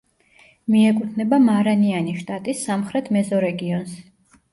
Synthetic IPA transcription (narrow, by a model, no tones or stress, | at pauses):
miɛkʼut̪ʰnɛbamaɾanianiʃt̪ʼat̪ʼisːamχɾɛt̪ʰmɛzɔɾɛɡiɔns